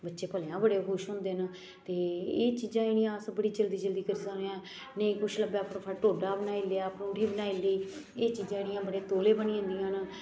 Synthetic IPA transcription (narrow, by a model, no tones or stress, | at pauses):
bətːʃeːpəljãːbəɽeːkʊʃɦʊ̃ːnd̪eːn | t̪eːeːt͡ʃiːd͡ʒãːɪɽijãːsəbəɽiːt͡ʃəld̪iːd͡ʒəld̪iːkəɾsəkneãː | nəĩːkʊt͡ʃʰləbeːpʰɾpʰəːʈoːɖaːbənaːilaːpnũːʈiːbənaːiːliːeːt͡ʃiːd͡ʒãːɪɽijãːbəɽeːt̪oːleːbəniõnd̪ijãːn